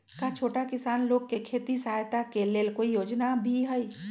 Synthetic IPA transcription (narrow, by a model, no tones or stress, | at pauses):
kat͡ʃʰoːʈakɪsaːnloːɡ̚kekʰeːt̪isaːjt̪akeleːlkoːijoːd͡ʒnabʱiɦəi